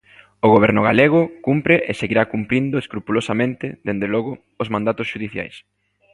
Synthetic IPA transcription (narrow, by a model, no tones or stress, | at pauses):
ʊɣoβ̞ɛɾnʊɣa̰leɣ̞ʊkumpɾɪʔḛseɣiɾakumpɾind̪ʊeskɾupulosamẽnt̪ɪðend̪elɔɣʊː | zmãnd̪at̪ʊsʃuðiθja̰js